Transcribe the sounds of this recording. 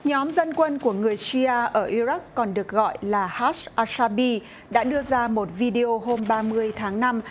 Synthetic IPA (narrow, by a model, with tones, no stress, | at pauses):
ɲɔ˨˦mzə˧nkwə˧nku˧˩əŋɨ˨˩əjsi˧aː˧ʔəː˧˩ʔi˧ɾa˦˥k̚ːɔ˨˩nɗɨ˨˩ək̚ɣɔ̰˧˨jlaː˨˩haː˦˥sʔaː˧saː˧ɓi˧ | ɗa̰ː˧˥ɗɨ˧əzaː˧mo˨˩t̚vi˧ɗe˧ʔo˧ɦo˧mɓaː˧mɨ˧əjt̪ʰaː˨˦ŋna˧m